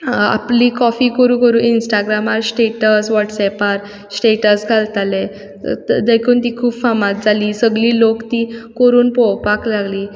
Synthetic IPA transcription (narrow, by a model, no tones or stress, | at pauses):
a̰pliːkɔfiːkəɾũːkəɾuːinsʈaɡɾamaɾsʈeʈəsʋɔʈsɛpaɾ | sʈeʈəsɡʰʱalt̪ale | d̪əkʰuːnt̪iːkʰuːbfamat̪̚d͡zʱaliːsəɡliːlokt̪ikoɾuːnpɔwpaklaɡliː